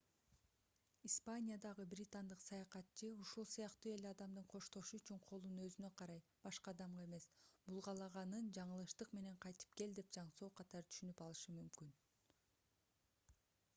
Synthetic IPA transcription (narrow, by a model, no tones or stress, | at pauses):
ispanʲijad̪ɑʁɯbɾʲit̪and̪ɯqsɑjɑqɑt̪t͡ʃɯuʃulˠsɯjɑqt̪uːe̞leɑd̪ɑmd̪ɯɴqʰo̞ʃt̪o̞ʃuyt͡ʃyɴqʰo̞lˠunø̞zynø̞qʰɑɾɑjb̥ɑʃqɑd̪ɑmʁɑe̞me̞sbulˠʁɑlˠɑʁɑnɯnd͡ʒɑɴɯlˠɯʃt̪ɯqme̞ne̞ɴqʰɑjt̪ɯ̥pke̞ld̪e̞p̚d͡ʒɑɴso̞ːqʰɑt̪ɑɾɯt̪ʰy̥ʃynypɑlˠɯʃɯmymkyn